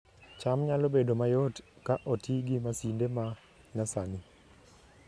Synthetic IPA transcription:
t͡ʃamɲalɔbedomajɔt | kaʔotiɡimasindema | nasani

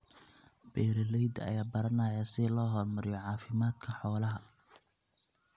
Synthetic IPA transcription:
bɛːɾɪlɛjd̪ɐ̰jaːbɐɾɐnɐjasɪlɔːɦɔːrmɐɾɪjɔʕɑːfɪmaːd̪kʰɐħɔːlɐɦɐ

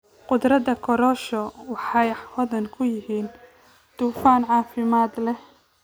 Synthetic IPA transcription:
qʊd̪ɾɐðɐkʰɔɾɔːʃɔwɑħɑjwɔðɐŋkʰʊjɪɦiːn | t̪uːfaːnʕɑːfɪmaːd̪lɛh

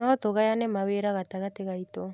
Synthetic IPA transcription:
aɔtoɣajanemaweɾaɣataɣateɣaito

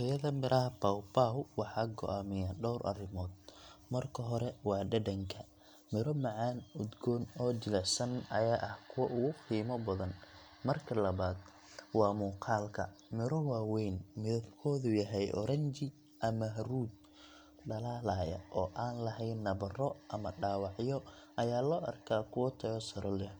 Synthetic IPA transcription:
ɛjɐðɐmɪɾʔɐɦɐpɐwbaːɦʊwɑħɑːɡɔ̰ʔaːmɪjaːɖɔwɾʔɐ̰rɪmɔːd̪̚mɐrkʰɐɦɔɾɛwɑːɖɐɖɐŋkʰɐ | mɪɾɔmɑʕɑːnud̪ɡɔːnɔːt͡ʃɪlɛʕsɐnɐjaːʔɐhkʰʊwɐʔʊɣʊqiːmɔbɐðɐn | mɐrkʰɐlɐβaːd̪ | wɑːmuːqʰɑːlkʰɐ̰mɪɾɔwɑːwɛjnmɪðɐbkʰɔːðʊjɐɦɛjʔɔ̰ɾɐɲt͡ʃɪ | ʔɐmɐɦɐruːd̪̚ | ɖɐlaːlaːjɐ̰ʔɔːʔaːnlɐɦɛjnːɐβɐrɔʔɐmɐɖaːwɑʕjɔɐjaːlɔːʔɐ̰rkʰaːkʰʊwɐt̪ʰɐɣɔsɐɾɔlɛ

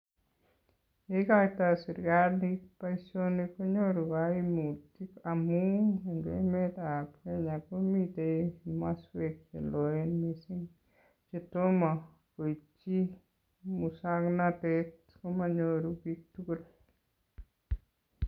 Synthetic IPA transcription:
ekakt̪asiɾɡaɾnipaisonekoɲoɾuɡaimutikamuŋeŋɡḛmet̪apkeɲakomit̪emaswek̚t͡ʃḛloenmisiŋ | t͡ʃet̪oma | koit͡ʃi | musaknatet̪ | komaɲoɾubik̚tukol

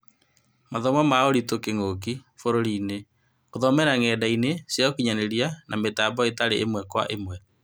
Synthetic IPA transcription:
maðɔmamaoɾitokeŋok̬ifoɾoɾiːne | oðɔmɛɾaŋɛːdainesjɔokiɲaneɾianametabɔetaɾeʔḛmwɛkwa̰ʔemwɛ

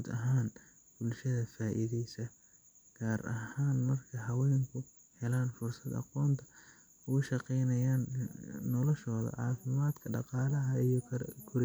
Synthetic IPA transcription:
d̪ɐɦaːn | bʊlʃɐðɐfaːʔḭðɛjsɐ | ɡ̥aːɾɐ̰haːnmɐrkʰɐɦɐwɛːŋkʰʊ | hɛlaːnfʊrsɐd̪ɑ̰qɔːnt̪ʰɐ̥ | ʊʊʃɑqɛjnɐjaːnːɔlɔʃɔːðɐ̰ʕɑːfɪmaːd̪kʰɐɖɑqɑːlɐɦɐijɔkʰʊɾɪ

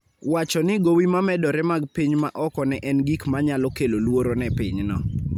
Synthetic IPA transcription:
wat͡ʃɔnɪɡowimamɛdɔɾɛmaɡpiɲma̰ʔɔkɔnɛʔɛnɡikmaɲalɔkelolwoɾonɛpiɲnɔ̰

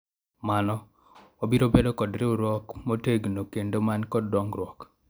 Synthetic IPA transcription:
manɔ | wɔbiɾobedokɔdɾewɾwɔkmoteɡnokendomankɔdːɔŋɡrwɔk

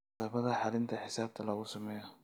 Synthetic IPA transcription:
aːbɐðɐħalɪnt̪ʰɐħɪsaːb̚t̪ʰɐlaɣʊsʊmɛjɐ

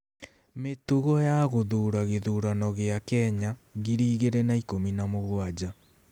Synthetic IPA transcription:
metuɣɔjaɣoðuːɾaɣeðuːɾanɔɣeakɛɲaɣiɾiːɣeɾɛnaikominamoɣwad͡ʑa

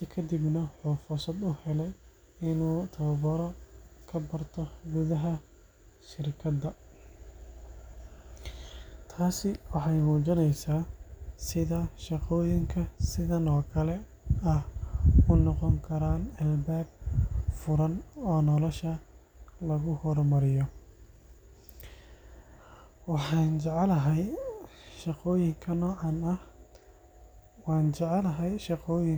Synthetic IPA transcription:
ɪkʰɐd̪ibnɐħɔfʊrsɐd̪ʊhɛlɛj | ɪnuːt̪ʰɐwɐbɔɾɔkʰɐbɐrt̪ʰɔɡʊðɐɦɐ | ʃɪrkʰɐd̪ɐ | t̪ʰaːsɪwɑħɑjmuːd͡ʒɐnɛjsaːsɪðɐʃɑqɔːjɪŋkʰɐsɪðɐnɔːkʰɐlɛ | ɐhʊnɔqɔŋkʰɐɾaːnɛlbaːɡ̚fʊɾɐnɔːnɔlɔʃɐ | lɐɣʊhɔrmɐɾɪjɔ | wɑħɑːnt͡ʃɐʕɛlɐɦɐj | ʃɐqɔːjɪŋkʰɐnɔːʕɑnɐh | wɑːnt͡ʃɑʕɛlɐɦɐjʃɑqɔːjɪŋ

